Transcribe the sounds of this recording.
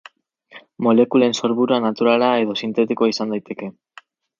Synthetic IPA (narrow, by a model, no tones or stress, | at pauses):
mo̞le̞kule̞nso̞ɾβuɾuanat̪uɾalae̞ðo̞sint̪e̞t̪ikoaisand̪ajt̪e̞ke̞